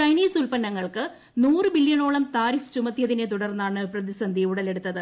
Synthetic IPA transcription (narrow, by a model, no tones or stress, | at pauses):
t͡ɕɐjniːsulpɐnːɐŋːɐɭkɨ | nuːrɨbiljɐɳo̞ːɭɐmt̪aːɾift͡ɕumɐt̪ːijɐðinet̪uɽɐrnːaːɳɨprɐðisɐnd̪ʱiuɽɐle̞ɽut̪ːɐðɨ